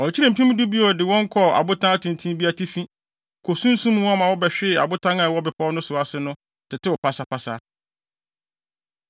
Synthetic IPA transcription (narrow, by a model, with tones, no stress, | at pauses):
ɔ˨t͡ɕʰi˦ɾɪ˨m̩˨pĩ˦m˦du˦bi˦ɔ˨dɪ˨wɔ̃˦ŋ˦kʰɔ˦˨a̰˨bʊ˦tʰã˦a˦tʰʊ̃˨n˨tʰĩ˦bi˦a˨tʰi˦fĩ˦ | kʰo˨sũ˦n̩˦sũ˦m˦wa˦˨mã˨wɔ˦bɛ˨ɕᶣɪ˦˨a̰˨bʊ˦tʰã˦ŋa˨wɔ˦bɪ˨pʰɔ˦ɔ˦nʊ̃˦sʊ˨a˨sɪ˦nʊ̃˦ | tʰɪ˨tʰɪ˦wɔ˨pʰa˦sa˨pʰa˨sa˦